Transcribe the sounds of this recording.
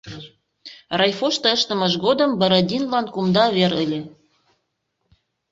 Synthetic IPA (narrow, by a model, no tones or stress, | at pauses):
rɑjfoʃt̪ɤ̆əʃt̪ə̆mə̆ʃɣod̪ə̆mbə̆ɾɤ̆d̪ʲinlɑnkumd̪ɑβeɾəlʲĕ